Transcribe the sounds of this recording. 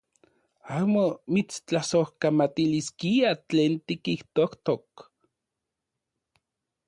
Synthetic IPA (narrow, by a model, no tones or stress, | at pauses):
aːmomit͡st͡ɬasohkamat̪iliskiat͡ɬeːnt̪ikiht̪oht̪ok